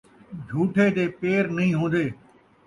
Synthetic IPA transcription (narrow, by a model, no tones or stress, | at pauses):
d͡ʒʱuːʈʰeːd̪eːpeːɾnɐɦĩːɦõːnd̪eː